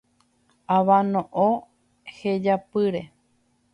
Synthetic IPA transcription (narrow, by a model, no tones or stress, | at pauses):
aʋãnõʔõ | hed͡ʒapɨɾe